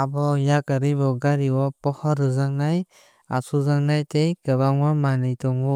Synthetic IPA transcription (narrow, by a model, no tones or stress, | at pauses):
abɔjakaɾibɔɡaɾiwɔpɔhɔɾɯzaŋnaj | asʰuzaŋnajtejkɯβaŋmamanɯjtɔŋu